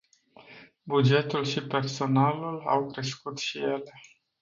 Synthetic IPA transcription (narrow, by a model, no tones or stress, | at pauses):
bud͡ʒe̞t̪ulʃipe̞rso̞nalula̰wkɾe̞skut̪ʃije̞le̞